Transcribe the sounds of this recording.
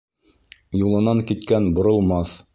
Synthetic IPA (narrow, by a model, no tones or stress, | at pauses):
julˠɤ̆nɑŋkit̪kænbŏɾɤ̆lˠmɑθ